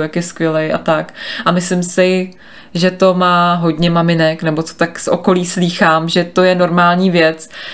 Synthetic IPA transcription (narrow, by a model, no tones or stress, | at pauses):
ɛkjɛskʋjɛlɛjʔa̰t̪akʔamɪslɪmsɪ | ʒɛt̪o̞maːɦo̞dɲɛmamɪnɛknɛbo̞t͡so̥t̪aksʔo̰ko̞liːsliːxaːmʒɛt̪o̞jɛno̞ɾmaːlɲiːvjɛt͡s